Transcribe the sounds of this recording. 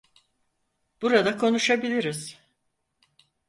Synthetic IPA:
b̥uɾad̪akʰo̞nuʃabilʲiɾiz̥

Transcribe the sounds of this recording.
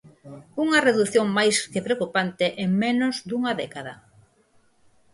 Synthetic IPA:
uŋɐreðuθjoŋmajskepɾeokupant̪eʔeŋmẽnozd̪uŋɐðɛkaðɐ

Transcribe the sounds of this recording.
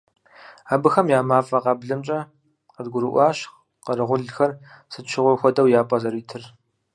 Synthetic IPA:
aːbɨxɐmjaːmaːfʼɐqɑbɮɨmt͡ʃʼɐ | qədɡʷʊɾɨʔʷɑːɕx | qɐrɨʁʷʊɮxɐr | sɨtʃʰɪʁʷʊrxʷɔdɐwjaːpʼɐzɐɾiːtʰɨr

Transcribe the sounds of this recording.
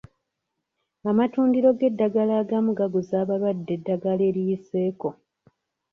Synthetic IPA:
amatuːndiɾo̞ɡe̞dːaɡalaːɡamuɡaɡuzaːβalwadːe̞dːaɡale̞ːɾijise̞ːko̞

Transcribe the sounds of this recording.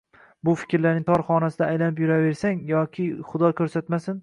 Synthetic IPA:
bʊfɪ̥kʲɾlaɾnɪŋt̪ʰɒɾχɒnasɪd̪aːjlanɪpjʊɾave̞ɾsaŋjɒkʲʰɪχʊd̪ɒkʲʰɵɾsat̪masɪn

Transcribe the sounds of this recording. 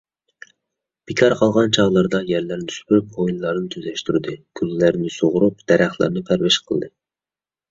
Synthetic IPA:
b̥ɪkʲʰɑɾqʰɑlˠʁɑnt͡ʃʰɑʁlˠɑɾd̪ɑjæɾlæɾnysbyɾyp̚ojinlˠɑɾnɨt̪ʰyzlɛʃt̪yɾɪd̪ɨkʲʰyllæɾnɪsoʁʊɾup̚d̪̥ɛɾʔæχlˠæ̰ɾnɪpʰæɾwɛʃqʰəl̰ˠd̪ɨ

